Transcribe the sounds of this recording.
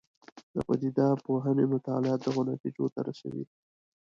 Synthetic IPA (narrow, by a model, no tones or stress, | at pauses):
d̪əpad̪id̪ɑpoɦənemʊt̪ɑlɪɑt̪̚d̪əɣʊnɑt̪id͡ʒot̪aɾasa̰wḭd̪i